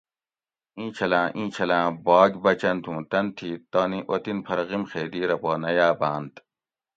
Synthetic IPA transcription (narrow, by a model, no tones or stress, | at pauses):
ĩːt͡ɕʰɐlãːʔĩːt͡ɕʰɐlãːbaːɡʲbɐt͡ɕɐnt̪ʰũːt̪ɐnt̪ʰiːt̪ɐːniʔot̪inpʰɐɾɣimxeːd̪iːɾɐpoːnɐjaːbãːnt̪